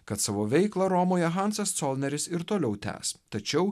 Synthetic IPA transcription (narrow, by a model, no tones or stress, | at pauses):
kɐt̪sɑːʋoːʋʲɛɪklˠɐɾomoːjɛɣɑnsɐst̪sɔːlˠʲnʲɛɾʲɪsɪɾt̪oːlʲɛʊt̪ʲæ̰ːst̪ɐt͡ʃʲɛʊ